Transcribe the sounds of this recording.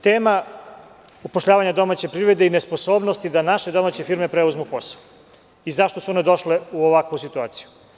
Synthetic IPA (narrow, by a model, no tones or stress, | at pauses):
t̪eːma | upoʃʎaːʋaɲad̪o̞mat͡ɕe̞pɾiʋɾe̞d̪einespo̞so̞ːbno̞st̪id̪anaʃe̞d̪o̞maːt͡ɕefiɾme̞pɾeuzmupo̞sḁo | izaʃt̪o̞suo̞ne̞d̪o̞ʃleuoʋakʋusit̪ua̰ːt̪si̥ju